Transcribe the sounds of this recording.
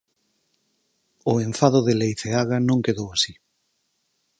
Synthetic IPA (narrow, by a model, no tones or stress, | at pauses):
ʊeɱfaðʊðelejθeaɣanõŋkeðowasi